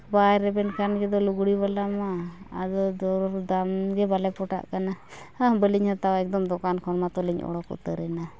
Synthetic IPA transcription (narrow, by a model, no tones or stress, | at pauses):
bajɾɛbɛnkanɡɛd̪ɔluɡɽiβalamaad̪ɔd̪ɔɾɔɾd̪amɡɛbalɛpɔʈa̰ʔkanaabəliɲhat̪awaɛk̚d̪ɔmd̪ɔkankʰɔɾmat̪ɔliɲɔ̰ɽɔkṵt̪əɾɛna